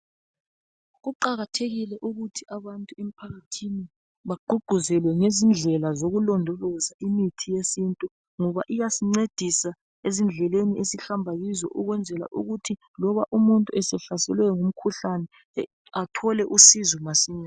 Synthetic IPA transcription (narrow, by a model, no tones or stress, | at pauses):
ɣuǃaɣatʰeɣilɛʔuɣutʰiaβantʼuem̩pʰaɣatʰini | βaǃuɡ͡ǃ̥ʱuzɛlwɛŋezind͡ɮʱɛlazoɣulɔndʱɔlɔzaʔimitʰijesintʼu | ŋɔβaʔijasiŋ͡ǀed̥ʱisa | ezind͡ɮʱɛleniesiɬambʱaɣizɔ̰ʔuɣwɛnd͡zʱɛla̰ʔṵɣutʰi | lɔβaʔumuntʼuɛsɛɬasɛlwɛŋum̩kʰuɬanɛ | atʰɔlɛʔusizɔmasiɲa